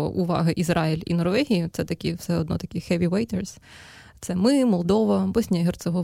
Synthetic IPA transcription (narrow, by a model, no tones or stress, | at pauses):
ʔʊʋɑ̰ɦɪʔizɾɑilʲḭnɔrʋɛɦʲijʊt̪sɛt̪ɐkʲiwsɛɔd̪nɔ̰t̪ɐkʲɪxɛʋʲiʋɛjt̪ɛɾs | t̪sɛmɪmɔlˠd̪ɔʋɐbɔsʲnʲɛɦɛrt̪sʲɛɦɔ